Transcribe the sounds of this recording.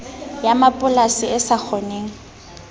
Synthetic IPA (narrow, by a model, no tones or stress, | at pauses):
jamapʼʊlasɪɪsak͡xʰɔneːŋ̩